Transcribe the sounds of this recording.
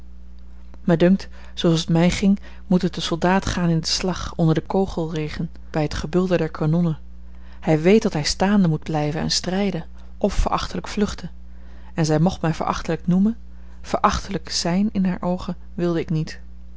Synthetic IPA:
mədɵŋkt | sowɑlˠsətmɛjχɪŋ | mutɦət̚əsɔlˠdaːtχaːnɪndəslɑχɔndəɹdəkowχəlˠrejχən | b̥ɛjɦətχəbɵlˠdədɛɹkʰanɔnə | hɛjʋejt̚dɑtɦɛjstaːndəmud̚blɛjvənɛ̰nstrɛjdə | ʔɔfːə̰ɹʔɑ̰χtələkflɵχtə | ɛnzɛjmɔχtmɛjvə̰ɹʔɑ̰χtələknumən | v̥əɹʔɑχtələkz̥ɛjnɪnɦaːɹʔowχən | ʋɪlˠdəɪknit

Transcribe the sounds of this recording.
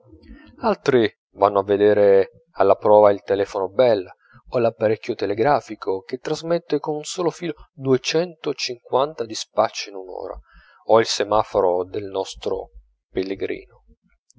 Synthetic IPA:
alt̪ɾi | vanːoavːed̪eːɾe | alːapɾɔːvailt̪elɛːfonobɛlː | olapːaɾɛkʰʲːjot̪eleɡɾaːfikʰok̟et̪ːɾazmet̪ːekonunsoːlofiːlod̪uet͡ʃɛnt̪ot͡ʃiŋkwant̪ad̪ispat͡ʃːiinunɔ̰ːɾa̰ | oilsemaːfoɾod̪elnɔst̪ɾo̰ | pelːeɡɾḭːno

